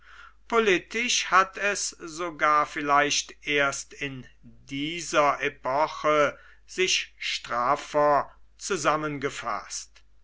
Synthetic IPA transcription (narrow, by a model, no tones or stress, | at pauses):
polɪtɪʃhatʰɛsz̥oɡaːɐfɪlaɪʃtʔeːɐstɪndiːzɐʔepɔχə | z̥ɪʃʃtʁ̥aːfɐt͡suzamənɡəfa̰st